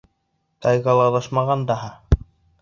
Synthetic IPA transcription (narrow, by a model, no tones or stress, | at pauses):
t̪ɑjɣɑlˠɑðɑʃmɑʁɑnd̪ɑɦɑ